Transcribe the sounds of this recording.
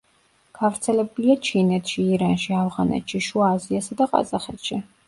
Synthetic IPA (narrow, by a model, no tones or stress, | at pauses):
ɡ̥avɾt̪sʰɛlɛbuliat͡ʃʰinɛt̪ʰʃiːɾanʃiavʁanɛ̰t̪ʃiʃuaːziasad̪aqʼa̰zaχɛt̪ʃi